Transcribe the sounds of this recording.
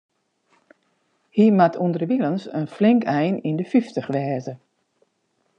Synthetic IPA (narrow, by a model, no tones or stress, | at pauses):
himatʰundərʋilənsənflɪŋkɛjnindəfiftəxʋɛːzə